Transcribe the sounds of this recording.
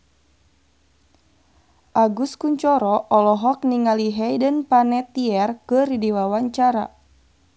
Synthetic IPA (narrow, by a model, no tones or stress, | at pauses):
ʔaɡuskuɲt͡ʃɔɾɔʔɔlɔɦɔk̚niŋaliɦɛjdənpanɛt̪iɛrkəridiwawaɲt͡ʃaɾa̰